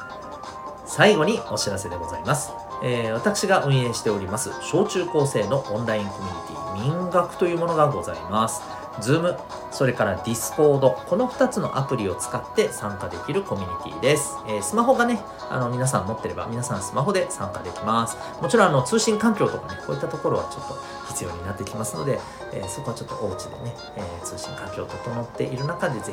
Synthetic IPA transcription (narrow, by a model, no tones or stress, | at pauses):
saiɡo̞ɲ̟io̞ɕiɾase̞d̪e̞ɡo̞zaimasɨ̥ | eːβ̞at̪akɯ̟̥ɕiɡaʔɯ̟̃ɰ̃e̞ːɕi̥t̪e̞o̞ɾʲimasɨ̰ɕo̞ːt͡ɕɨːko̞ːse̞ːno̞ʔõnɾaĩŋko̞mʲiɲ̟it̪ʲḭːmʲĩŋɡakɯ̟̥t̪o̞jɯ̟ːmo̞no̞ɡaɡo̞za̰ḭmasɨ̥ | zɨːmɯ̟ | so̞ɾe̞kaɾad̪ʲisɨ̥ko̞ːd̪o̞ko̞no̞ɸɯ̟̥t̪at͡sɨno̞̰ʔapɯ̟ɾʲio̞t͡sɨ̥kat̪ːe̞sãŋkad̪e̞kʲiɾɯ̟ko̞mʲiɲ̟it̪ʲḭːd̪e̞sɨ̥eːsɨmaɦo̞ɡane̞ | a̰no̞mʲinas̬ãmːo̞t̪ːe̞ɾe̞ba̰mʲinasãɰ̃sɨmaɦo̞d̪e̞sã̰ŋkad̪e̞kʲimasɨ̥ | mo̞t͡ɕiɾõːano̞t͡sɨːɕĩŋkãŋkʲo̞ːt̪okane̞ko̞ːit̪ːat̪o̞ko̞ɾo̞βa̰t͡ɕo̞t̪ːo̞ | çʲi̥t͡sɨjo̞ːɲ̟inat̪ːe̞kʲimasɨno̞̰d̪e̞ | eːso̞ko̞βat͡ɕo̞t̪ːo̞ʔo̞ːt͡ɕid̪e̞̰ne̞ | eːt͡sɨːɕḭ̃ŋkãŋkʲo̞ːt̪ot̪o̞no̞t̪ːe̞̰ʔiɾɯ̟nakad̪e̞ze